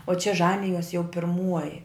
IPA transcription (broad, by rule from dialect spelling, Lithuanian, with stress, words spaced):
oː t͡ʃʲɛ ˈʒɑːnʲɪjoːs jɛʊ pʲɪrˈmuɔjɪ